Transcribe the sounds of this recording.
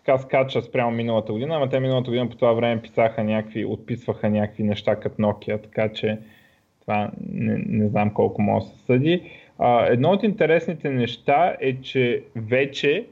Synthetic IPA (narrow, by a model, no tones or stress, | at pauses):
t̪kaskat͡ʃəspɾʲamominəlˠət̪əɡʊd̪inəamɐt̪̬ɛminəlˠət̪əɡod̪inəpo̥t̪ovavɾɛmɛpi̥saxənʲakvio̰t̪̚pisvəxənʲakəkvinɛʃt̪akɐt̪nɔk̟iət̪ɐ̥kat͡ʃɛ | t̪ovanɛ̰nɛznamkɔlˠkomɔ̰əsɛ̥sɤd̪ʲiəɛd̪nɔot̪int̪ɛɾɛsnit̪ɛnɛʃt̪aɛt͡ʃɛvɛt͡ʃɛ